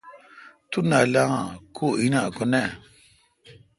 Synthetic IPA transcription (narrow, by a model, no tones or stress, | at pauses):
tunalaŋa̰kʰuinakɔnɛ